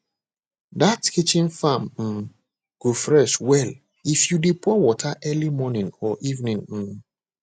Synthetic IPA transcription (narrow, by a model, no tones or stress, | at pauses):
datkʰit͡ʃĩnfãmm̩ | ɡ̥ufɹɛswɛl | ifjudipʰɔwɔtʰaʔɛlimɔnĩŋɔʔivnĩŋm̩